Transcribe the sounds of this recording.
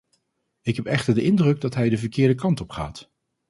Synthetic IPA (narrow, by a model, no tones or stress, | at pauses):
ɪkɦɛpɛχtəɹdəʔɪndrɵɡ̚dɑtɦɛjdəvəɹkɪːɹdəkɑntɔpχa̰ːt